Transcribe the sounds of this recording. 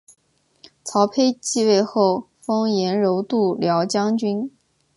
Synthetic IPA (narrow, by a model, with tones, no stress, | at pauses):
t͡sʰɑ˧˥ʊpʰe˥ɪt͡ɕi˥˧we˥˧ɪxo˥˩ʊ | fɤ˥ŋjɛ˧˥nɻo˧˥ʊt̪u˥˩ljɑ˧˥ʊt͡ɕjɑ˥ŋt͡ɕy˥n